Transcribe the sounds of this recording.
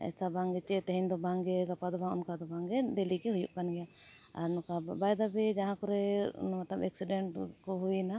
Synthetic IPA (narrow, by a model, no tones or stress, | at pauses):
ɛ̰sabaŋɡɛt͡ʃɛt̪ɛɦɛnd̪ɔbaŋɡɛɡapad̪ɔbaŋṵnkad̪ɔbaŋɡɛd̪ɛlikɛhujṵʔkanɡɛja | a̰ɾnɔkabajd̪abɛd͡ʒaɦãkɔɾɛ̰nmat̪abɛ̰ksiɖɛɳʈkɔɦujna